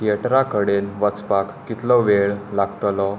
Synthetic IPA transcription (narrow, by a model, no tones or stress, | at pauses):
ieʈɾakəɽelʋət͡spakːit̪lɔʋeɭlaɡt̪lɔ